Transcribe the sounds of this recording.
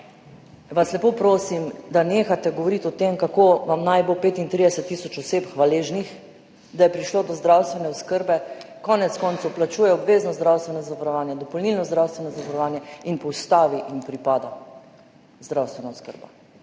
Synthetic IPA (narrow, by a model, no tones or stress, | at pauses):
ʋaslɛpoːpɾoːsimd̪aneːxat̪ɛɡɔʋɔɾit̪ɔt̪emkakoʋamnajbolpeːt̪int̪ɾid̪ɛsɛt̪ːisɔt͡ʃɔseːpxʋaleːʒnix | d̪ajɛpɾiʃloːd̪ɔzd̪ɾawst̪ʋɛnɛwskəɾbɛkɔnɛt̪skɔnt̪sowplat͡ʃuːjɛɔbʋeːznɔzd̪ɾawst̪ʋɛnɔzaʋaɾɔʋaːnjɛd̪ɔpɔlnilnɔzd̪ɾawst̪ʋɛnɔzaʋaɾɔʋaːnjɛinpɔwst̪aːʋiʔinpɾipaːd̪a | zd̪ɾawst̪ʋɛnawskə̰ɾba̰